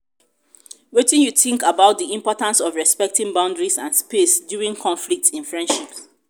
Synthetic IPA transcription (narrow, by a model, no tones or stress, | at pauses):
wetĩnjuθĩŋkabaʊt̚ðiĩmpɔtãnsɔvɹɛspɛk̚tĩŋbãʊ̃ndɹisãnspesdjuɹĩŋkʰɔ̃nflik̚tĩnfɹɛ̃ndʃip